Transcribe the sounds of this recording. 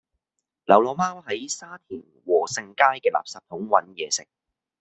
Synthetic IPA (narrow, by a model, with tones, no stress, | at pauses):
lɐ˨˩wlɔː˨˧maː˥whɐ˨˥jsaː˥t̪ʰiː˨˩nwɔː˨˩sɪ˧ŋkaː˥jkɛː˧la̰ː˨p̚saː˨p̚t̪ʰʊ˨˥ŋwɐ̰˨˥njɛː˨˧sɪ˨k̚